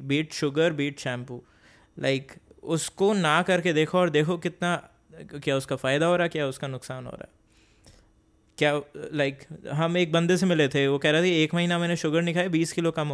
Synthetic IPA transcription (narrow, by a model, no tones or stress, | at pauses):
biːʈʃʊɡəɾbiːʈʃɛ̃ːmpuː | lʔa̰ɪkʊskonakɐɾked̪eːkʰoɔːɾd̪eːkʰokɪt̪na | kjaːʊskafaːɪd̪aɦoːɾaɦɛkjaːʊskanʊksaːnɦo̰ːɾa̰ːɛ | kjaːlaɪkɦɐmeːk̚bɐ̃nd̪es̬emɪlet̪ʰeʋokɛːɾaːt̪ʰaieːkmɐɦiːnamɛːneʃʊɡəɾnɪkʰaːiebiːskɪlokɐmɦo